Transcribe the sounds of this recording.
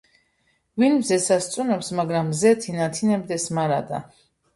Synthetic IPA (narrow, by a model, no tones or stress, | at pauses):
vinmzɛsast̪sʼunɛpsmaɡɾamzɛt̪ʰinat̪ʰinɛbd̪ɛsmaɾad̪a̰